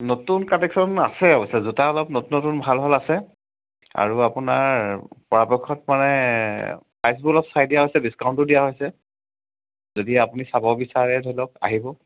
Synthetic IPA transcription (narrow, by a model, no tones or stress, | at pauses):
notunkatɛksɔna̰sɛɔbɔsazutaɔlɔp̚notunːotunbʱalbʱalasɛ | a̰ɹuapunaɹpɔɹapɔkʰɔtmanɛ | pajs̬bulɔpsajdijaɦojsɛbiskawntʊdijaɦojsɛ | zodiapunisabɔbisaɹɛdʱojlɔk̚a̰ɦibɔ